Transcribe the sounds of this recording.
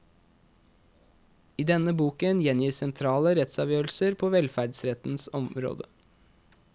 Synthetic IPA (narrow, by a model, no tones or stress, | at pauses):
iːd̪ɛnəbuːkənjɛnjiːsɛnt̪ʰɾɑːləɾɛt̪sɑʋjøːl̩səɾpʰoːʋɛlfæɖsɾɛt̪n̩sɔmɾo̰ːd̪ə